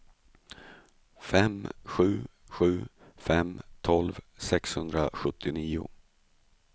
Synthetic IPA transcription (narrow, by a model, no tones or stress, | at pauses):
fɛmɧʉ̟ː | ɧʉ̟ː | fɛmt̪ʰɔlvsɛkshɵnd̪ɾaɧɵt̪ʰːɪniːʊ̰